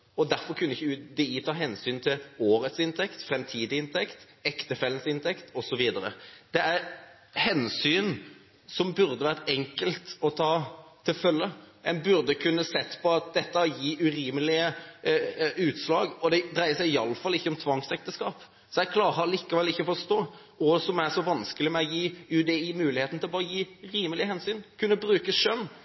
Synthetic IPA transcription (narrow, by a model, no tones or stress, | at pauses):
ɔd̪æɾfɔɾkʰʉnːəɪçːəd̪ɛiːt̪ʰɑːɦɛnsyːnt̪ʰɪloːɾət̪sɪnt̪ʰɛkt̪fɾɛmt̪ʰiːd̪ɪɪnt̪ʰɛkt̪ | ɛkt̪əfɛlːənsɪnt̪ʰɛkt̪ʰɔsɔʋiːd̪əɾə̰d̪̥ɛæɾ | hɛnsyːn | sɔmbʉɾd̪əʋæːʁət̪ɛŋkəlt̪ɔt̪ʰɑːt̪ʰɪlfœlːəɛnbʉɾd̪əkʰʉnːəsɛt̪ːpʰɔɑt̪̚d̪ɛt̪ːəjiːʔʉɾiːməlɪə | ʉːt̪slɑːɡɔd̪ɛd̪ɾæɪəsæɪɑlːəfɑlːɪçːəɔmt̪ʰʋɑŋsɛk̚t̪əskɑːp | sɔjɛɡkʰlɑːɾəliːkəʋɛlɪçːəɔfɔst̪oː | ɔsɔmæʁʂɔʋɑnskəlɪmɛɔjiːʉd̪eiːmʉːlɪheːt̪n̩t̪ʰɪlɔbɑːɾəjiːɾiːməlɪəhɛnsyːnkʰʉnːəbɾʉːkəʃœnː